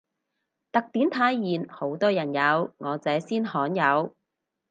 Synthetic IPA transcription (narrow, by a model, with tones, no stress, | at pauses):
t̪ɐ˨k̚t̪iː˨˥nt̪ʰaː˨˧jːiː˨nho˨˥wt̪ɔː˥jɐ˨˩njɐ˨˧wŋɔː˨˧t͡sɛː˨˥siː˥nhɔː˨˥njɐ˨˧w